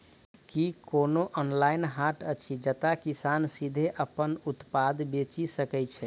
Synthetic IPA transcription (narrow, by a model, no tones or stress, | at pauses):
kikonoʔɔnlaɪnɦaʈət͡ʃʰid͡ʒət̪akisansid̪ʱeʔəpənut̪pad̪ʱbet͡ʃisəkɛt͡ʃʰɛ